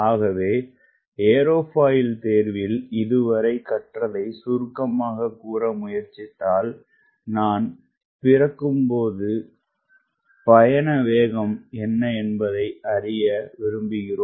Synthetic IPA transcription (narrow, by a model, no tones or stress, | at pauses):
aːɣɐʋeː | eːɾoːpaːjɪlt̪eːɾʋɪlɪðɯʋɐɾɐɪkɐʈrɐðɐɪsuɾkɐmaːɣɐkuːɾɐmʊjɐɾt͡ʃɪt̪ːaːl | naːn | pɪrɐkːɯmpoːðɯ | pɐjɐnɐʋeːɣɐmɛnːɐɛnbɐðɐɪʔɐrɪjɐʋɪɾɯmbɪɣɪroː